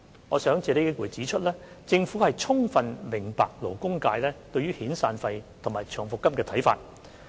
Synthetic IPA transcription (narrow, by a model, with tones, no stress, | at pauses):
ŋɔː˨˧sœː˨˥ŋt͡sɛː˨˧le˨˥ke˨˥kuː˨˩jt͡siː˨˥t͡ʃʰɵ˥t̚lɛː˥ | t͡sɪ˧ŋfuː˨˥hɐ˨jt͡ʃʰʊ˥ŋfɐ˨nmɪ˨˩ŋpa̰ː˨k̚lo˨˩wkʊ˥ŋkaː˧jlɛː˥t̪ɵ˧ɥyː˥hiː˨˥nsaː˧nfɐ˧jt̪ʰʊ˨˩maː˨jt͡ʃʰœː˨˩ŋfʊ˨kːɐ˥mkɛː˧t̪ʰɐ˨˥jfa̰ː˧t̚